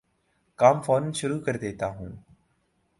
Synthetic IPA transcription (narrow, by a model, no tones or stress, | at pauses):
kaːmfoːnnʃʊɾuːkɐɾd̪eːt̪aːɦũː